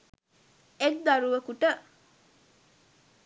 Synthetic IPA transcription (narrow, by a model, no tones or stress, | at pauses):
ek̚d̪ɐɾuʋəkuʈə